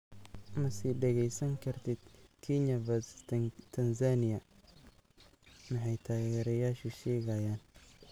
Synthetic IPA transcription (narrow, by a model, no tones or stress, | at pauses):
mɐsiːɖɐɣɛjsɐŋkʰɐrt̪ʰid̪kʰiɲɐvɐst̪ʰɐnzanɪjɐ | mɐħajt̪ʰaːɣɛːɾɐjaːʃuʃɛːɣajaːn